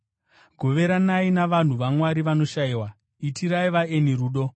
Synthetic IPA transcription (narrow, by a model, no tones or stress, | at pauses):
ɡʱo̞ʋe̞ɾanainaʋan̤uʋamwaɾiʋano̞ʃaiwa | itʰiɾaiʋaeniɾuːɗo̞